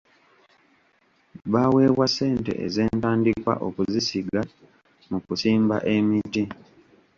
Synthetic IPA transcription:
βawe̞ːβwasːe̞ːnte̞̰ʔḛze̞ːntaːndikwa̰ʔo̞kuzisiɡa | mukusiːmba̰ʔe̞miti

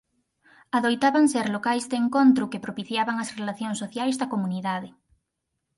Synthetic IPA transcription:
aðojt̪aβaŋseɾlokajzd̪eŋkont̪ɾʊkepɾopiθjaβaŋɐsrelaθjoŋsoθjajzðɐkomuniðaðɪ

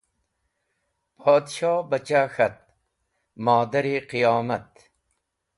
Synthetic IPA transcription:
pʰoːd̪ɕɑːbɐt͡ɕaxɐt̪̚ | mɔːd̪ɐɾiqijɑːmɐt̪̚

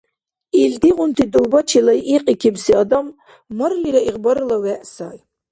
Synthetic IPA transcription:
ild̪iʁunt̪ʰid̪owbat͡ʃʰilaʔiqʼikʲʰibsiad̪amː | ɐɾliɾaiʁbaɾɨlawɛʔsaːj

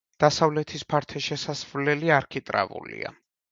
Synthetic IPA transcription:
d̪̥asavlɛt̪ʰispʰaɾt̪ʰɛʃɛsasvlɛliaɾkʰit̪ʼɾa̰vṵlḭa̰

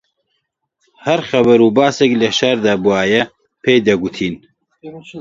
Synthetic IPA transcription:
hɐɾxɐbɐɾuːbaːseklɐʃɐɾd̪aːbuaːjɐ | pʰeːjd̪ɐɡut̪ʰiːn

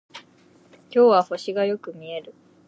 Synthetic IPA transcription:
kʲo̞ːβaho̞ɕiɡajo̞kɯ̟mʲie̞ɾɯ̟

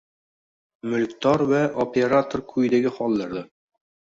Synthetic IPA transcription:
mɵ̆lkt̪ɑɾwæʔopʲeɾat̪orkʰʉjd̪ɘ̆ɡɘχɒlˠːɑɾðɤ

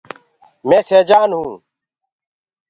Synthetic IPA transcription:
mẽːseːd͡ʒaːnɦũː

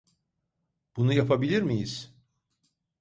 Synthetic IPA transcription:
b̥unujapʰabilʲiɾmijiz̥

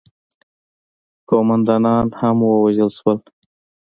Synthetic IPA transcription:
komand̪ɑnɑnhamwəwaʒəlʃwəl

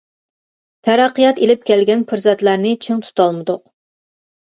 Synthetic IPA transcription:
t̪ʰæɾɑqːijɑt̪elɪp̚kʲʰɛlɡʲɛnpʰɨɾzɛt̪læɾnɪt͡ʃʰɪŋt̪ʰu̥t̪ʰɑlˠmɨd̪ʊq̚

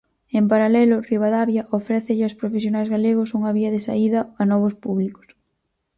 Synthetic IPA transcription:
empaɾalɛlʊriβaðaβjɐʔofɾɛθɪʎɪospɾofesjonajzɣaleɣ̞ʊsuŋɐβiɐðesa̰iðɐanɔβ̞ʊspuβlikʊ̥s

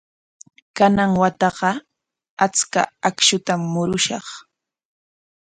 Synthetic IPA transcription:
kanaŋwat̪ɑɢɑ | at͡ska̰akʃʊt̪amːʊɾʊʃɑ̰χ

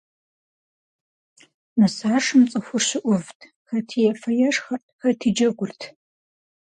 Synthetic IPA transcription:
mɨsaːʂɨmt͡sʼɨxʷʊrɕɪʔʷʊvtʰ | xɐtʰijɛfɐjɛʂxɐr | xɐtʰiːd͡ʒɐɡʷʊrtʰ

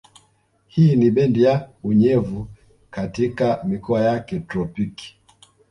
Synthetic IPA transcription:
hiːniɓɛndijauɲɛvu | katikamikɔajakɛtɾɔpiki̥

